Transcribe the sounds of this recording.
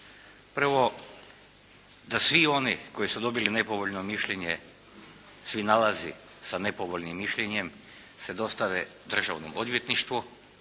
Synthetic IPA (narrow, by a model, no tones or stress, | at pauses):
pr̩ʋo | d̪asʋio̞niko̞jisud̪o̞biline̞poʋoʎnomiʃʎeɲe | sʋinalazi | sanepoʋoʎnimːiʃʎeɲem | sed̪o̞st̪aʋe | d̪r̩ʒaʋnomod̪ʋjet̪niʃt̪ʋu